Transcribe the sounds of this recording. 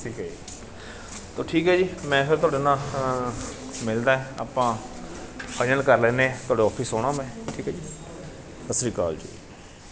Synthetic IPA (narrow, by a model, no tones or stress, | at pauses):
iːkɛd͡ʒi | t̪oːʈʰiːkɦɛːd͡ʒiːmɛ̃ːpʰɪɾt̪oaːɽeːnãː | mɪld̪aːɦɛːaːpãː | əd͡ʒə̃ɳkəɾlɛːneːt̪ʊaːɽeːɔːpʰisoːɽ̃aːmɛ̃ːʈʰiːkɛːd͡ʒiː | həsɾiːka̰ːld͡ʒḭː